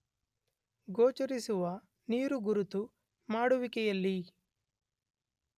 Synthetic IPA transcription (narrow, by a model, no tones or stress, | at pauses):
ɡoːt͡ʃɐɾisuʋɐ | niːɾuɡuɾut̪u | maːɽuʋikɛjɐlːi